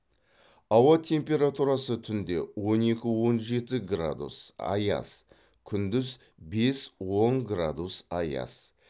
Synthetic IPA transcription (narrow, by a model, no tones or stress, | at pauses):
ɑwɑt̪ʰe̞mpʲe̞ɾat̪uɾɑsət̪ʰʏnd̪e̞̰wo̞ne̞kʲɪwo̞nʒe̞t̪ɪɡra̰d̪ṵsɑ̰jɑ̰s | kʲʰʏnd̪ɪz | be̞swo̞ŋɡrad̪usɑjɑ̰s